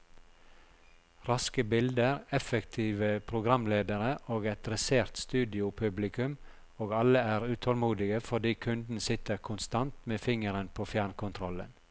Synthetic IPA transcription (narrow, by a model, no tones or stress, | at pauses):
ɾɑskəbɪld̪əɾɛfəkt̪ʰiːʋəpʰɾʊɡɾɑmleːd̪əɾəʔoːɡɛt̪ɾɛseːʁt̪st̪ʉːd̪ɪʊpʰʉblɪkʉm | oːɡɑləæːʁʉːt̪ʰɔlmuːd̪ɪɡəfɔɖ̪iːkʰʉnd̪n̩sɪt̪əɾkʰʊnst̪ɑnt̪meːfɪŋəɾənpʰoːfjæːɳkʊnt̪ʰɾɔlə̰n